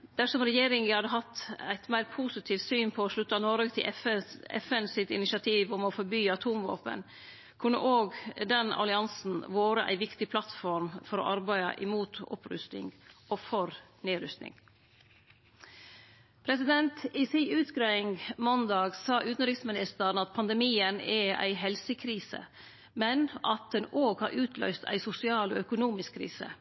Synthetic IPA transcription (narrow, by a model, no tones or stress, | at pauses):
d̪̥æʂɔmɾɛjeːɾɪŋəhɑd̪əɦɑt̪ːæɪt̪mæɪɾpʰusɪt̪ʰiːft̪syːnpʰɔɔʂɭʉt̪ːɑnɔɾɡət̪ʰɪʔɛ̰fɛnsɪt̪ɪnɪʃɑt̪ʰiːʋʊmɔfɔɾbyːɑt̪ʰuːmʋo̰ːpə̰n | kʰʉnːə̰ʔoːɡd̪ɛnɑ̰lɪɑnsn̩ʋoːɾəʔæ̰ɪʋɪkt̪ɪpʰlɑt̪fɔɾmfɔɾɔ̰ːʔɑɾbæɪɑ̰ʔɪmuːt̪ɔ̰pɾʉ̰st̪ɪ̰ŋofɔɾneːɾʏst̪nɪ̰ŋ | pʰɾɛsɪd̪ɛnt̪ɪsiʉːt̪ɡɾeɪŋmɔnd̪ɑːɡsɑːʔʉːt̪n̩ɾɪksmɪnɪst̪əɳɑt̪̚pʰɑnd̪ɛmiːənɛʔæ̰ɪɦɛlsəkʰɾiːsə̰ | mɛnʔɑt̪̚d̪ɛnoːɡhɑːɾʔʉːt̪ʰlœ̰ʏst̪æ̰ɪsʊsɪɑːlo̰ːœkʊnuːmɪskʰːɾḭːsə̰